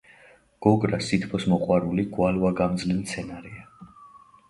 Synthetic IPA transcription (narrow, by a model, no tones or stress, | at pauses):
ɡ̥ɔɡʼɾasit̪ʰpʰɔsmɔqʼwaɾuliɡwalvaɡamd̪zlimt̪sʰɛnaɾia